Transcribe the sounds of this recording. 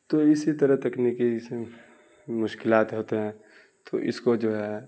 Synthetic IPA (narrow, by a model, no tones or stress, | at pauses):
t̪oɪsit̪ɐɾəɦt̪ɐkniːki | mʊʃkɪlaːt̪ɦoːt̪eɦɛ̃ | t̪ʰo̰ʔɪ̰skod͡ʒoːɦɛ